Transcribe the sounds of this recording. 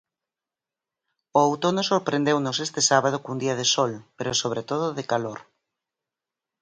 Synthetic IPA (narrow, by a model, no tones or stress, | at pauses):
oawt̪onosoɾpɾẽnd̪ewnosest̪esaβað̞okund̪iað̞esolpeɾosoβɾet̪oðoðekaloɾ